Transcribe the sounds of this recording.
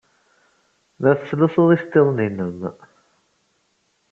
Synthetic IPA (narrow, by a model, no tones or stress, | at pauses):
ðæθsːləsoðˤist̪ːeðˤninəm